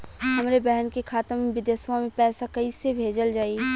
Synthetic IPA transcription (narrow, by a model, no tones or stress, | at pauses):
ɦɐmɾebɛɦənkekʰaːt̪əɾmẽʋɪd̪eswamẽpɛːsakɐisebʱeːd͡ʒəld͡ʒaːi